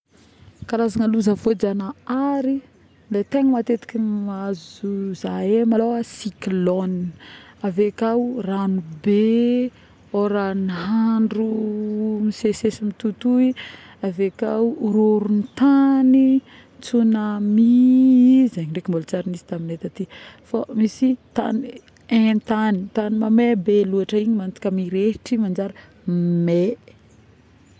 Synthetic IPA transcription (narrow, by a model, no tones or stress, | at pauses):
kaɾazaŋaluzavod͡ʒanaaɾi | let̪eŋəmat̪et̪i̥kʲimazuzaemaloasikilɔniavekawranube | oɾaniɦaɳɖ͡ʐu | misesesimit̪ut̪ui | avekawɾoɾunit̪ani | t͡sunami | zeɲiɳɖ͡ʐekimbolt͡saɾinizi̥t̪aminet̪at̪ifamisit̪a̰ni | ẽt̪anit̪animamebeluaʈ͡ʂəiɲimant̪i̥kʲamiɾeʈ͡ʂimand͡ʒaɾə | me